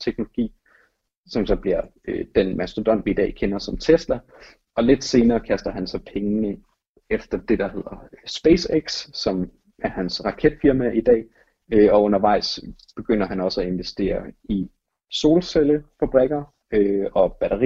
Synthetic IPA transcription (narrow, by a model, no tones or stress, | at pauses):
t͡sʰeɡ̥̚no̝loɡ̥ḭː | sɒ̽msɒ̽b̥liɐ | ød̥enmæsd̥ʁod̥ɒ̽n̰ʋid̥ɛ̰ːkʰenɐsɒ̽mt͡sʰeslɐ | ɒ̽le̝d̥se̝ːnɐːkʰæsd̥ɐɦænsɒ̽pʰeŋənə | efd̥ɐd̥e̝d̥æhe̝ð̰ˠɐsb̥eːseɡ̥sːɒ̽m | æɐhænsʁɑ̈kʰed̥fiɐmæʔid̥ɛ̰ː | øɒ̽ɔ̽nɐʋɑ̈ɪ̰s | b̥e̝ɡ̥øn̰ɐɦænɒ̽səæe̝nʋesd̥e̝̰ːɐi | so̝ːlseləfæb̥ʁɛɡ̥ɐ | øɒ̽b̥æɾɐʁi